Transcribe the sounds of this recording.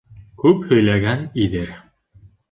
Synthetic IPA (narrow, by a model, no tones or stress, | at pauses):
kʉphɵ̆jlæɡæniðɘɾ